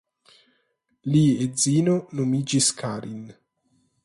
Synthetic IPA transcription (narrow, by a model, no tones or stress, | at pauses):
liezinonomid͡ʒiskʰaɾʔin